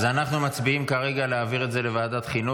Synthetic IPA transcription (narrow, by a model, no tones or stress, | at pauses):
zanaχnumat͡sbiimkaʁe̞ɡaleaːviʁetze̞le̞vaːdat̪χinu